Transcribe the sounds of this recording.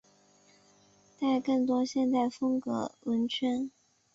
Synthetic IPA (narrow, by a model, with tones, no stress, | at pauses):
t̪a˥˧ɪkɤ˥˩ŋt̪wɔ˥ɕjɛ˥˧nt̪a˥˩ɪfɤ˥ŋkɤ̰˧˥wə˧˥nt͡ɕʰɥɛ˥n